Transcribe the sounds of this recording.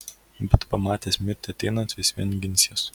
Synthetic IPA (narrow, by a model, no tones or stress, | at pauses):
bʲɛt̪pɐmɑːt̪ʲeːsʲmʲɪɾʲt̪ʲɪɐt̪ʲɛɪnɐnt̪ʋʲɪsʲʋʲɛnʲɡʲɪnʲsʲos